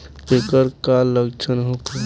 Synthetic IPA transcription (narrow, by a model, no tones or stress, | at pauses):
pekəɾkaləɡt͡ʃʰənɦoke